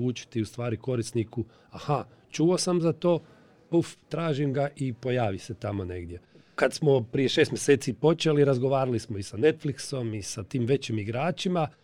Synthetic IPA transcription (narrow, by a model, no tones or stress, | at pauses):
uːt͡ʃi̥t̪iust̪ʋaːɾiko̞ɾisniku | aha | t͡ʃuosamzat̪o̞ː | puft̪ɾaːʒimɡaʔipo̞jaːʋiset̪amo̞ne̞̰ɡd̪je̞ | kad̪smo̞pɾije̞ʃest̪mjeseːt̪sipo̞t͡ʃeliɾazɡo̞ʋaːɾalismoisane̞t̪flikso̞misat̪iːmʋe̞t͡ɕimiɡɾaːt͡ʃima